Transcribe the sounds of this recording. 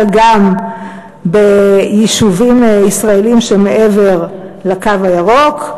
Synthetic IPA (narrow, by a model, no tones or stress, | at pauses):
ɡam | bejiʃuvimisʁaelimʃemeʔeve̞ʁlakavajaʁok